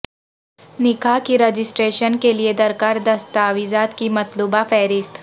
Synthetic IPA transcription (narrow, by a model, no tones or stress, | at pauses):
nɪkakiɾɐd͡ʒɪsʈɾeːʃənkelied̪ɐɾkaːɾd̪ɐst̪aːʋiːzaːt̪kimɐt̪luːbafɛːɾɪst̪ʰ